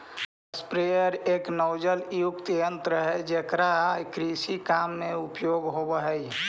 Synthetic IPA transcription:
əspɾejəɾeːknəʊd͡ʒəljukt̪jənt̪ɾəɦɛd͡ʒekɾakɾisikamːeupjoɡɦobəɦɛj

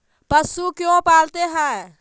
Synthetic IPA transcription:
pəsukjõpalt̪eɦɛ̃

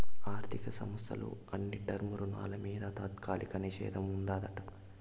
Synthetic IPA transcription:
aːɾt̪ʰikɐsɐmɐsʰɐ̰lṵɐnːiɖɐɾmuɾuna̰ːlɐmiːd̪ɐt̪aːt̪kʰaːlʔikɐniʃɛ̰ːd̪ʱɐmuɳɖaːd̪ɐʈɐ

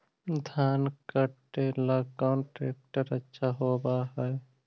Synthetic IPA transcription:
d̪ʱaːnkəʈelakɔːnʈɾeːk̚ʈəɾətːʃʰaɦoːbaɦɛj

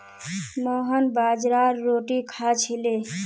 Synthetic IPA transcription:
məɦənbad͡ʒɾaɾːoʈikʰat͡ʃʰile

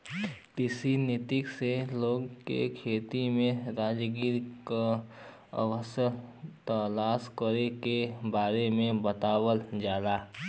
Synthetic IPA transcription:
t̪ɪsinɪt̪ɪkseloːɡkḛkʰeːt̪imẽɾaːd͡ʒɡiːɾka | ə̰ʋəsət̪əlaːskəɾekebaːɾemẽbət̪aːwəld͡ʒaːlaː

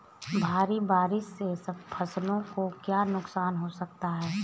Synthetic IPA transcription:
bʱaːɾibaːɾɪsːesɐb̚pʰɐslõkokjaːnʊksaːnɦosɐk̚t̪aɦɛː

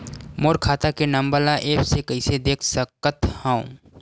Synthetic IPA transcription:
moːɾkʰaːt̪akenɐmbəɾlaʔeːpsekɐised̪eːkʰsəkːət̪hãṵ̃

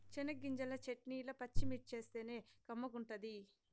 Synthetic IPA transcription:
t͡ʃinɐɡːiɲd͡ʒɐlɐt͡ʃeʈniːlɐpɐt͡ʃːimiʈ̚t͡ʃe̞ːst̪e̞ːne̞ːkɐmːɐkuɳʈɐd̪i

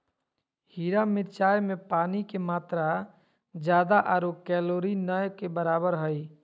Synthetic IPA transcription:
hiːɾamɪɾt͡ʃaːjmẽpaːnikemaːt̪ɾa | d͡ʒjaːd̪aʔaɾokɛloːɾinəjkebəɾaːbəɾɦəj

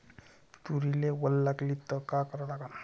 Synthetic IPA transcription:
t̪uɾilewəlːaklit̪ɔkakəɾalaɡa

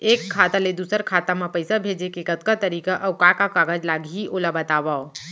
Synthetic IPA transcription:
eːkʰːat̪aled̪uːsəɾkʰat̪amãpəjsabʱed͡ʒekekət̪kat̪əɾiːkaʔawkakakaɡəd͡ʒlaɡʱiʔolabət̪abao

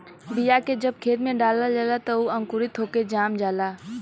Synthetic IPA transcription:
bɪjaked͡ʒəb̚kʰeːt̪mẽɖaːlad͡ʒaːlat̪ɐuɐ̃ŋkʊɾit̪ɦoːked͡ʒaːmd͡ʒaːlaː

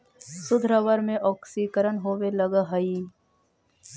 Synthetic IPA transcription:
sʊd̪ʱɾəʋəɾmẽʔɔːksikəɾənɦoːʋelɐɡaɦɐiː

